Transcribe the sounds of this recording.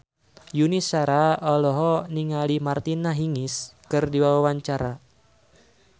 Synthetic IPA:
junisaɾaɔlɔɦɔniŋalimart̪inaɦiŋɪskɨrdiwawawaɲt͡ʃaɾa

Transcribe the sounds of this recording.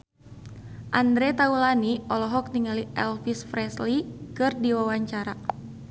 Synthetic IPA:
ʔand̪ɾɛt̪aulaniɔlɔɦɔk̚niŋaliɛlfisfɾɛslikɨrdiwawaɲt͡ʃaɾa

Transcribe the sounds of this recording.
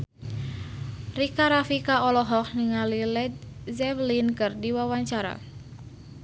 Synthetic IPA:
rikaɾafikaɔlɔɦɔk̚niŋalilɛd̪̚zɛvlinkɨrdiwawaɲt͡ʃaɾa̰

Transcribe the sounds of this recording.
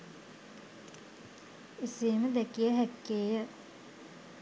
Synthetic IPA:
isiːməd̪ɛkijəɦækːeːjə

